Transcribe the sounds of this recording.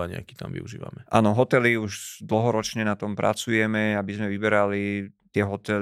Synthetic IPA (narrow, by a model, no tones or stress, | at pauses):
aɲɪ̰a̰kit̪a̰mʋḭuʒḭːʋa̰mɛʔa̰ːnɔɦɔt̪ɛliuʒd̪l̩ɦɔɾɔt͡ʃɲɛnat̪ɔmpɾa̰t͡sujɛmɛabizmɛʋibɛɾalit̪ɪɛɦɔt̪ɛl